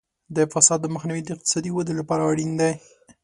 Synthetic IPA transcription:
d̪əfasɑd̪ːəməxniwid̪əɪq̚t̪ɪ̥sɑd̪iwad̪əlapɑɾaaɽind̪aj

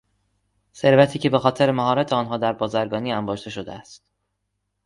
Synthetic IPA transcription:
se̞ɾvæt̪ʰiːcʰe̞be̞xɒːt̪ʰeɾemæɦɒːɾæt̪ʰeɒːnɦɒːd̪æɾbɒːzæɾɡɒːniːæmbɒːʃd̪e̞ʃod̪eæst̪

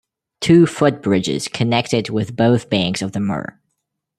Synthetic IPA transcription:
tʰʉfʊt̚b̥ɹɪd͡ʒɪ̰z̥kʰɨnɛk̚tɨd̚wɪðboʊθb̥æ̃ŋksʌvðəmɜ̰˞ə̰˞

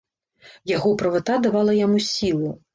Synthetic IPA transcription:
jaɣɔpɾɐvat̪ad̪avalˠɐjamusʲilˠu

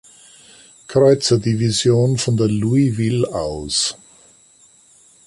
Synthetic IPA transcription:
kʰʁ̥ɔʏt͡sɐdivizjoːnfɔndeːɐluivɪlaʊs

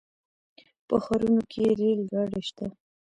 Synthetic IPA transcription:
pəxaɾunokʰeɾelɡɑɽeʃt̪a

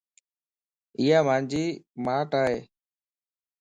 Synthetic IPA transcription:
ɪjaːmãːnd͡ʒiːmaːʈaːɦeː

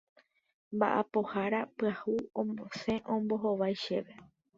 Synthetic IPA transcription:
mba̰ʔapo̞haɾapɨahuõmosẽ̞ʔõmbo̞ɦoʋajʃe̞ʋe

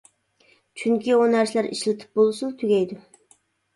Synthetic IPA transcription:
t͡ʃʰyŋkʲionæɾslæɾḭʃlɪt̪ʰɪ̥p̚bolˠsunt̪ʰyɡʲɛjd̪ʊ

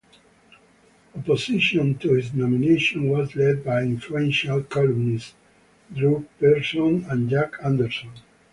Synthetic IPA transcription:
əpɔsɪʃɔ̃ntuhɪznɔmineʃɔ̃nwɔzlɛd̚bajĩɱfluɛ̃nʃalkʰɔlɔnis | dɹuk̚bɛɹsɔ̃næ̃nd͡ʒakʰæ̃nd̪əɹsɔ̃n

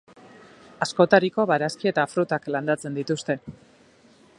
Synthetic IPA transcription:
asko̞t̪aɾiko̞βaɾaskie̞t̪afɾut̪akland̪at͡se̞nd̪it̪ust̪e̞

